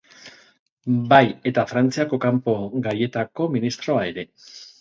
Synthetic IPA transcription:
baje̞t̪afɾant͡siako̞kampo̞ɡaje̞t̪ako̞minist̪ɾo̞ae̞ɾe̞

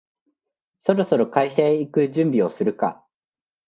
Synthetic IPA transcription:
so̞ɾo̞so̞ɾo̞kaiɕaeikɯ̟ʑɨ̃mbʲio̞sɨɾɯ̟ka̰

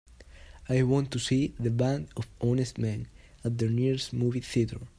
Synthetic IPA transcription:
ajwɔ̃nt̪ːusiðəbæ̃nd̪ɔvɔnɛst̪mɛ̃n | at̪̚ðəɹniɹsmuviθit̪ə˞

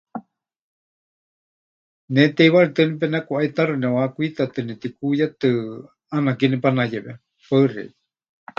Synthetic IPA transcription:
nɛt̪eiβaɾit̪ɨnip̬ɛnakuʔait̪arɨnɛwakʷuit̪at̪ɨnɛt̪ikujat̪ɨ | anakinipanajɛβɛ | paɨrɛ̰

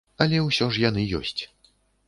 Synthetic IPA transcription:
ɐlʲɛwsʲɔʐjanɨjɔ̰sʲt͡sʲ

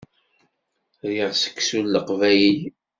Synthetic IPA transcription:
ðiʁsə̥kːsulːəqvæji

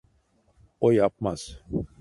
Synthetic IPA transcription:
ojap̚maz̥

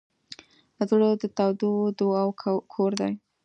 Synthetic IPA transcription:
azuɽod̪ət̪awd̪ud̪oawkʰoɾd̪aj

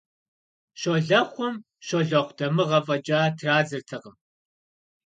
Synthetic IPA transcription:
ʃoɮɐχʷɔm | ʃoɮɐχʷdɐmɨʁɐfʼɐd͡ʒʼaːtʰraːzɨrtʰɐqəm

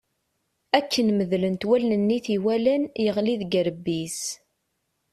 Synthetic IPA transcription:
ækʰːənməðlənt̪wælnənːiθiwælənjəʁliðɡəɾəbːis

